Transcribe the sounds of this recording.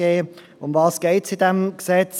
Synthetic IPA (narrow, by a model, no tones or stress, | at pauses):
eː | ʊmvɑːsɡ̥eɪtsɪdɛmɡ̥sɛt͡s